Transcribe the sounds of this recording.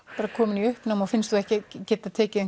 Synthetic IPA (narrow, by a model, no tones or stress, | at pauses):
paːɾakʰɔːmɪniʏhpnawmawfɪnst̪θuɛhcɪcɛːt̪at̪ʰɛːcɪɛn